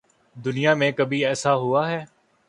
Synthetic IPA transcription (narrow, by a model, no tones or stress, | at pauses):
d̪ʊnɪjaːmẽːkəbiːɛːsaːɦʊaːɦɛː